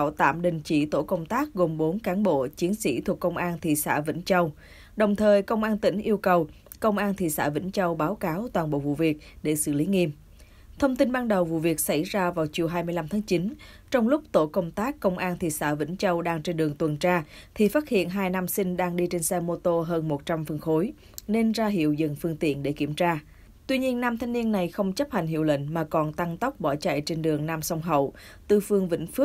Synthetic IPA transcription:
wt̪a̰ː˧˨mɗï˨ŋ̟t͡ɕi˧˩t̪o̰˧˩kə˧wŋ͡mt̪aː˦˥k̚ɣo˨˩mɓo˨˦nkaː˨˦nɓo̰˧˨t͡ɕi˨˦ənsḭ˧˥t̪ʰu˨˩əkːə˧wŋ͡mʔaː˧nt̪ʰḭ˧˨sa̰ː˧˥vḭ˧˥ŋ̟t͡ɕə˧w | ɗə˨˩wŋ͡mt̪ʰəː˨˩jkə˧wŋ͡mʔaː˧nt̪ï˧˩ŋ̟ʔi˧əwkə˨˩w | kə˧wŋ͡mʔaː˧nt̪ʰḭ˧˨sa̰ː˧˥vḭ˧˥ŋ̟t͡ɕə˧wɓaː˨˦wkaː˨˦wt̪waː˨˩nɓo̰˧˨vṵ˧˨vi˨˩ək̚ɗe˧˩sɨ̰˧˨li˨˦ŋi˧m | t̪ʰə˧wŋ͡mt̪i˧nɓaː˧nɗə˨˩wvṵ˧˨vi˨˩ək̚sa˧˩jzaː˧vaː˨˩wt͡ɕi˨˩əwɦaː˧jmɨ˧jla˧mt̪ʰaː˨˦ŋt͡ɕi˨˦n | t͡ɕɔ˧wŋ͡mlʊ˦˥k͡p̚t̪o˧˩kə˧wŋ͡mt̪aː˦˥kːə˧wŋ͡mʔaː˧nt̪ʰi˨˩sa̰ː˧˩vḭ˧˥ŋ̟t͡ɕə˧wɗaː˧ŋt͡ɕe˧nɗɨ˨˩əŋt̪wə˨˩nt͡ɕaː˧t̪ʰi˨˩faː˦˥t̚hḭ˧˨ənɦaː˧jna˧msï˧ŋ̟ɗaː˧ŋɗi˧t͡ɕe˧nsɛ˧mo˧t̪o˧ɦəː˧nmo˨˩t̚t͡ɕa˧mfə˨˩nxo˨˦j | ne˧nzaː˧ɦḭ˧˨əwzə̰˧˨˩nfɨ˧əŋt̪ḭ˧˨ənɗe˧˩ki˧˩əmt͡ɕaː˧ | t̪wi˧ɲi˧ənːaː˧mt̪ʰa˧jŋ̟ni˧ənːa˨˩jxə˧wŋ͡mt͡ɕə˦˥p̚ha˨˩jŋ̟ɦḭ˧˨əwlḛ˧˨ŋ̟maː˨˩kɔ˨˩nt̪a˧ŋt̪ə˦˥wk͡p̚ɓɔ˧˩t͡ɕa̰˧˨jt͡ɕe˧nɗɨ˨˩əŋnaː˧msɔ˧wŋ͡mɦə̰˧˨w | t̪ɨ˨˩fɨ˧əŋvḭ̈˧˥ŋ̟fɨ˦˥

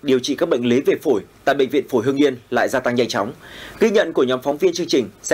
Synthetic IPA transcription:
ɗi˨˩əwt͡ɕḭ˧˨kaː˦˥k̚ɓə̰˧˨jŋ̟le˨˦ve˨˩fo˧˩jt̪a̰ː˧˨jɓə̰˧˨ŋ̟vḭ˧˨ənfo˧˩jɦəŋɲi˧ənla̰ː˧˨jzaː˧t̪a˧ŋɲa˧jŋt͡ɕa˨˦wŋ͡mɣi˧ɲə̰˧˨nku˧˩əɲɔ˨˦mfɔ˨˦wŋ͡mvi˧ənt͡ɕɨ˧əŋt͡ɕï˨˩ŋ̟s

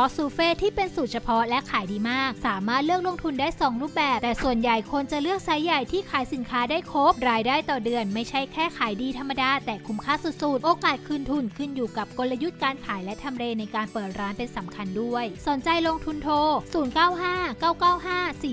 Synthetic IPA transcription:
pʰɔ˦˥suː˧˦feː˥˩t̪ʰiː˥˩pe˧nsu˨˩t̪̚t͡ɕʰpʰɔ˦˥lɛ˦˥kʰaː˩˦jdiː˧maː˥˩k̚saː˩˦maː˥˩t̪̚lɯ˥˩ək̚lo˧ŋt̪ʰu˧ndaː˥˩jsɔː˩˦ŋɾuː˥˩p̚bɛː˨˩p̚t̪ɛː˨˩su˨˩ənja˨˩jkʰo˧nt͡ɕa˨˩lɯ˥˩ək̚sa˨˦˥jːa˨˩jt̪ʰiː˥˩kʰaː˨˩˦jsi˩˦nkʰaː˦˥daː˥˩jkʰo˦˥p̚ɾaː˧jdaː˥˩jt̪ɔː˨˩dɯ˧ənma˥˩jt͡ɕʰa˦˥˩jkʰɛː˥˩kʰaː˩˦jdiː˧t̪ʰa˧mːa˧daː˧t̪ɛː˨˩kʰu˦˥mkʰaː˥˩su˨t̪̚su˨˩t̪ʔoː˧kaː˨˩t̪̚kʰɯː˧nt̪ʰu˧˩nkʰɯ˥˩njuː˨˩ka˨˩p̚ko˧nla˧ju˦˥t̪̚kaː˧nkʰaː˨˩˦jlɛ˦˥t̪ʰa˧mɾeː˧na˧jkaː˧npɤː˨˩t̪̚ɾʔaː˦˥npe˧nsa˩˦mkʰa˧ndu˥˩əjso˨˩˦nt͡ɕa˧jlo˧ŋt̪ʰu˧nt̪ʰoː˧suː˨˩˦nkaː˥˩wɦaː˥˩kaː˥˩wkaː˥˩wɦaː˥˩siː˨˩

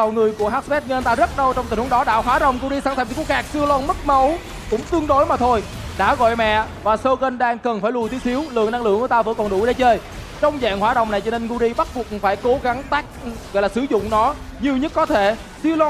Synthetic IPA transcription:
ə˨˩wŋɨ˨˩əjku˧˩əɦaː˦˥t̚spɛ˦˥t̚ŋə˧ə˧nt̪aː˧zə˦˥t̚ɗə˧wt͡ɕɔ˧wŋ͡mt̪i˨˩nhu˨˦˥ɗɔ˨˦ɗa̰ː˧˨˩wɦwaː˧˦ɗə̰˨wŋ͡mɣu˧zi˧saː˧˥t̪ʰə˧˩t̪i˨˧ku˧˩˥kaː˨˩k̚si˧əwlɔ˧nmə˦˥t̚mə˨˦w | kʊ̰˧˥ŋ͡mt̪ɨ˧əŋɗo˨˦jmaː˨˩t̪ʰo˧j | ɗa̰ː˧˥ɣɔ̰˧˨jmɛ̰˧˨ | vaː˨˩sə˧ɣə˧nɗaː˧ŋkə˨˩nfaː˧˩jlu˨˩jt̪i˦əsi˨˦əwlɨ̰˧˨ŋna˧ŋlɨ̰˧˨əŋku˧˦t̪aː˧və̰˧˥kɔ˨˩nɗu˧˩jɗe˧˦t͡ɕə˧j | t͡ɕɔ˧wŋ͡mza̰ː˧˨ŋhwaː˧˦ɗə̰˨˩wŋ͡mna˨˩jt͡ɕɔ˧ne˧nɣu˧zi˧ɓa˦˥t̚ku˨˩əkfaː˧˩jko˨˦ɣa˨˦ŋt̪aː˦˥k̚ɣɔ̰˧˨jlaː˨˩sɨ˧˩˦zʊ̰˧˨ŋ͡mnɔ˨˦ɲi˨˩əwɲə˦˥t̚kɔ˨˦t̪ʰe˧˩ | si˧əwlɔ˧

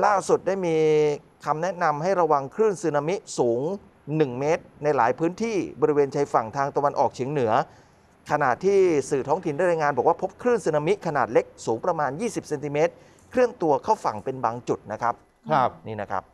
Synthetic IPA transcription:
laː˥˩su˨˩t̪̚daː˥˩jmiː˧ | kʰa˧mnɛ˦˥ʔna˧mɦa˥˩jɾa˧wa˧ŋkʰɾɯ˥˩nsɯː˧na˧mi˦˥ʔsuː˩˦ŋ | nɯ˨˩ŋmeː˦˥t̪̚na˧jlaː˩˦jpʰɯː˦˥nt̪ʰiː˥˩bɔ˧ɾi˦weː˧nt͡ɕʰa˧jfa˨˩ŋt̪ʰaː˧ŋt̪a˧wa˧nʔɔː˨˩k̚t͡ɕʰi˩˦ŋnɯ˩˦ɐ | kʰa˧naː˨˩t̪ʰːiː˥˩sɯː˨˩t̪ʰɔː˦˥ŋt̪ʰi˨˩ndaː˥˩jɾa˧jŋaː˧nbɔː˨˩k̚waː˥˩pʰo˦˥p̚kʰɾɯː˥˩nsɯː˧na˧mi˦˥ʔkʰa˧naː˨˩t̪̚le˦˥k̚suː˩˦ŋpɾa˧maː˧njiː˥˩si˨˩p̚se˧nt̪i˧meː˦˥t̪̚ | kʰɾɯ˥˩ənt̪u˧ɐkʰa˥˩wfa˨˩ŋpe˧nbaː˧ŋt͡ɕu˨˩t̪̚na˦˥kʰɾa˦˥p̚ | niː˥˩na˦˥kʰɾa̰˦˥p̚

